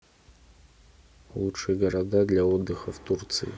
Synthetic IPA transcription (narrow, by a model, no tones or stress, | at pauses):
lˠutʂɨjɡɐɾad̪ad̪lʲɐɔd̪ːɨxɐft̪urt̪sɨ̰jḭ